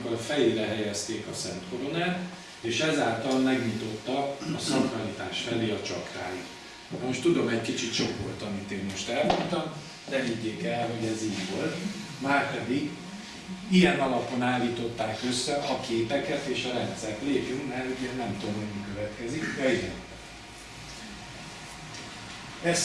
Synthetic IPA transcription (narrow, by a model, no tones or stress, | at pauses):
kːolɒfɛjeːɾɛɦɛjɛst̪eːkɒsɛnt̪ko̞ɾo̞naːt̪ | eːʃɛzaːlt̪ɒlmɛɡɲit̪o̞t̪ːɒːsɒkmɒlit̪aːʃfɛleːɒt͡ʃɒkraːjit̪ | mo̞ʃt̪ud̪o̞mɛckit͡ʃit̪t͡ʃo̞ko̞rt̪ɒmit̪eːnmo̞ʃt̪ɛlmont̪ɒm | d̪ɛviɟːeːkɛlɦo̞ɟɛziːɟʋo̞lt̪ | maːrpɛd̪iɡ | ijɛnɒlɒpo̞naːlːiːt̪o̞t̪ːaːkø̞sːɛʔɒkeːpɛkɛt̪eːʃɒɾɛnt̪sɛk̪leːkyŋkmɛrhoɟɛnnɛmt̪oːmhoɟmikøvɛt̪kɛzikd̪ɛiɡɛn | ɛs